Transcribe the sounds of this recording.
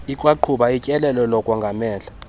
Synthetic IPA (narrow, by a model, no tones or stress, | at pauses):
ikʼwaǃʰuɓaicʼɛlɛlɛlɔkʼwɔŋɡʱamɛːɮa